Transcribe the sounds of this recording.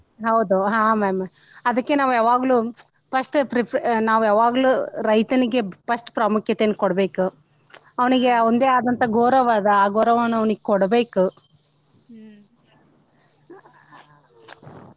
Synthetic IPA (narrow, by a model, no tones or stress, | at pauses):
ɦɐwd̪uɦãːmɐmɐ | ɐd̪ɐkːe̞naːʋuaːʋaːɡlu | pɐʂʈpɾinaːʋuaːʋaːɡluːɾɐjt̪ɐniɡe̞pɐʂʈpɾɐmukʰjɐt̪eːnːukɔɽbe̞ːku | ɐʋɐniɡe̞ond̪e̞ːaːd̪ɐnt̪ʰɐɡoːɾɐʋaːd̪ɐaːɡoːɾɐʋɐnːuɐʋɐniɡekɔɽbe̞ːku